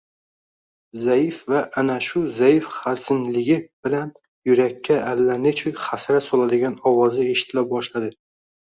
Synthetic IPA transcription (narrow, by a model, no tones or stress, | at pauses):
zajɪfvaʔːnaʃʊzajɪfχaɾsɪnlɪɡʲɪb̥ɪlan | jʊɾakʲʰːaʔːlːanet͡ʃʰojχasɾasɒlad̪ɪɡʲanɒwɒzɪe̞ʃɪ̥t̪ʰɪlap̚bɒʃlad̪ɪ